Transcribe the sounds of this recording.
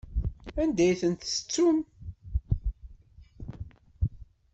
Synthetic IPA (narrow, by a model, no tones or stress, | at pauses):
ænd̪æjθənt̪sə̥t͡sːum